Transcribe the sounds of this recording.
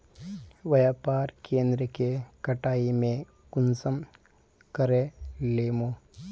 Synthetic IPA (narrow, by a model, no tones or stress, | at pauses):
ʋɐjaːpaːɾkẽːnd̪ɾəkekɐʈaːimẽ | kʊnsəm | kɐɾeleːmoː